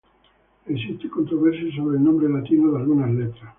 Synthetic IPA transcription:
esist̪ekont̪ɾoβeɾsesoβɾeːlnõmbɾelat̪inoðalɣunazlet̪ɾas

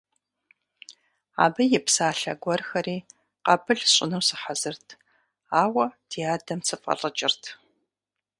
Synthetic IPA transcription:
a̰ːbɐjɛpsaːɬɐ̰ɡʷɔrxɐɾiː | qɐpʰɨɬɕʼɪnɐwsɨħazɨrtʰ | aːwɐd̥ʰiaːdɐmsʰɨfʼɐ̰rɨt͡ʃʼɪrtʰ

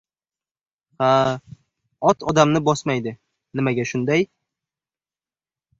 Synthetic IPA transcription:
ha | ɒt̪ʰɒd̪amnɪbɒsmajd̪ɪ | nɪmaɡʲaʃʊnd̪aj

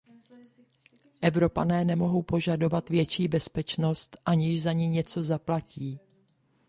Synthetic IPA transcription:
ʔɛvɾo̞panɛːnɛmo̞ɦo̞wpo̞ʒado̞vat̪vjɛt͡ʃiːbɛspɛt͡ʃno̞st̪ʔaɲɪʒzaɲɪɲɛt͡so̞zaplaciː

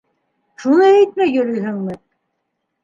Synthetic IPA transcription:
ʃunɤjæjt̪̚mæjɵ̆ɾɵjɦɘ̆ŋmɘ

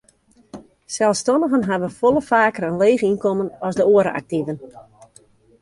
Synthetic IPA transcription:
sɛlˠstɔnəɣənɦaʋəfolˠəfaːkərənleːɣinkɔmənɔsdəoəɾə̰a̰k̚tivən

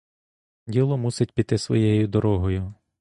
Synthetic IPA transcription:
dʲilˠɔmusɪtʲpʲit̪ɪsʋɔ̰jɛjʊd̪ɔɾɔɦɔjʊ

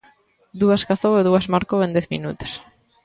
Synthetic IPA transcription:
d̪uɐskaθoweðuazmaɾkowend̪ɛθmḭnut̪e̥s

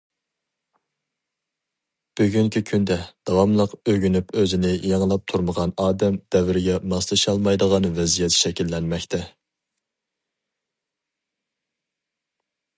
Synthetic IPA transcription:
b̥yɡʲyŋkʲʰikʲʰynd̪ɛd̪̥ɑwɑmlˠəqøɡʲynypøzɪnɪjɑŋlˠɑp̚t̪ʰuɾməʁɑnɑːd̪ɛmd̪̥ɛvɪɾɪɡʲɛmɑslˠɨʃɑlˠmɑjd̪əʁɑnvɛzijɛt̪ʰʃɛkʲilːɛnmɛkʲt̪ʰɛ

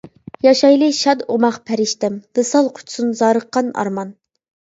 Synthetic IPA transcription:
jɑʃɑjlˠɨʃɑd̪omɑχpʰɛɾɪʃt̪ɛmb̥ɨsɑlˠqʰʊ̥t͡ʃʰsunzɑːɾəqːɑnɑ̰ɾmɑn

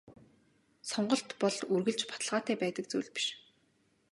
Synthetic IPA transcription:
sɔɴɢɞ̆ɬt̪pɔɮurɣɘ̆ɮt͡ɕpḁt̪ə̆ɮʁaːt̪æːpæːt̪ə̆k̚t͡sṵːɮpi̥ʃ

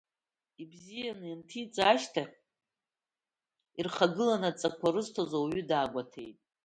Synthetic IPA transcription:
ibzijanɨantʰit͡sʼaaʃtʰaχʲ | irχaɡɨlanat͡sʼakʷʰaɾɨztʰozowɥʏdaːɡʷatʰḛjtʼ

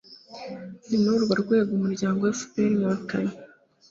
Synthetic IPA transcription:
ninoɾɡaɾɡwe̞ːɡumuɾɟaːŋɡowasu̥peɾiwakaji

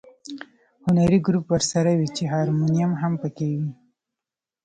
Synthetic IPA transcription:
hʊnaɾiɡɾupwəɾsaɾawit͡ʃeɦɑɾmunijamɦampəkewi

